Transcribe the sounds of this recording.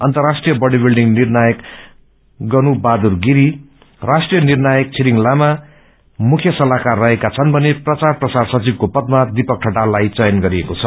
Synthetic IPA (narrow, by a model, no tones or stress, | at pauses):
ʌnt̪ʌrasʈrijʌbʌɽibilɖiŋnirnajʌk | ɡʌnubad̪urɡiɾi | rasʈrijʌnirnajʌk̚t͡sʰiɾiŋlama | mukʰjʌsʌlakarːʌɦekat͡sʰʌnbʱʌneprʌt͡sarprʌsarsʌt͡sib̚kopʌd̪̚mad̪ipʌk̚ʈʰʌʈalːajt͡sʌjʌnɡʌɾiekot͡sʰʌ